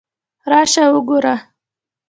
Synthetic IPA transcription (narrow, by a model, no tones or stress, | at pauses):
ɾɑʃawʊɡoɾa